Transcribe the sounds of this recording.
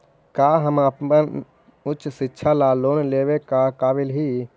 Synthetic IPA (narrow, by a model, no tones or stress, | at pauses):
kaːɦəməpmən | ʊtːt͡ʃʰsɪtːʃʰalaloːnleːwekakaːbɪlɦi